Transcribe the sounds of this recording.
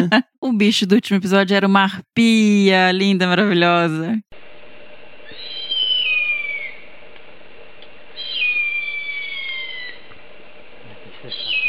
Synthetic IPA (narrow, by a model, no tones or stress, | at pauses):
ʊbiʃʊd̪ʊut͡ʃimʊepizɔd͡ʒʊɛɾɐũmɐahpiɐlĩnd̪ɐmaɾaviʎɔzɐ